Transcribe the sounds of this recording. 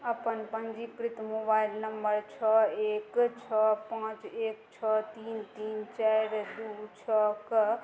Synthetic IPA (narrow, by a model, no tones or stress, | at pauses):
əpənpənd͡ʒikɾit̪mobailnəmbəɾt͡ʃʰəekt͡ʃʰəpãt͡ʃekt͡ʃʰət̪int̪iːnt͡ʃaɾd̪ut͡ʃʰək